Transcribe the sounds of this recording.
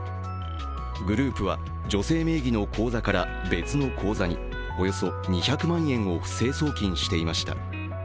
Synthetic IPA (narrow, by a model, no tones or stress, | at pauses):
ɡɯ̟ɾɯ̟ːpɯ̟βa̰ | d͡ʑo̞se̞ːme̞ːɡʲino̞kʰo̞ːzakaɾa | be̞t͡sɨno̞kʰo̞ːzaɲ̟ḭ | o̞jo̞so̞ | ɲ̟içakɯ̟mãɰ̃ẽ̞ɰ̃o̞ɸɯ̟̥se̞ːso̞ːkʲĩɰ̃ɕi̥t̪e̞imaɕi̥t̪a̰